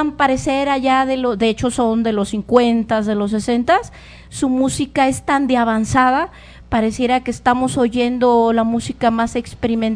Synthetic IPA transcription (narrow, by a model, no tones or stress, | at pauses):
mpaɾe̞seɾaʝaðe̞lod̪eet͡ʃo̞so̞nd̪e̞losiŋkwe̞nt̪azðe̞lo̞s̬ːe̞se̞nt̪asː | umusikaest̪and̪eaβansaða | paɾe̞sje̞ɾakeːst̪amo̞so̞ʝe̞nd̪o̞lamusikamase̞kspeɾimẽn